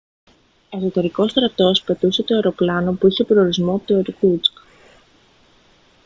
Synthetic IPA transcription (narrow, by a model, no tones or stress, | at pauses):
oeso̞t̪e̞ɾiko̞st̪ɾɐt̪o̞spe̞t̪use̞t̪o̞e̞ɾo̞plɐno̞puiçepɾooɾizmo̞ɐpot̪ooɾikut͡sk